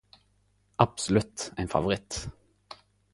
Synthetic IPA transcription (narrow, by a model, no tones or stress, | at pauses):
ʔɑb̥sɔlʉt̪æɪnfɑ̰ʋʊʁɪt̪